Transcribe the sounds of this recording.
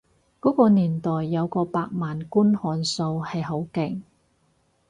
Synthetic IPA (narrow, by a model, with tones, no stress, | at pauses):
kɔː˨˥kɔː˧niː˨˩nt̪ɔː˨jːɐ˨˧wkɔː˧paː˧k̚maː˨nkuː˥nhɔː˨˧nso˧whɐ˨jɦo˨˥wkɪ˨˩ŋ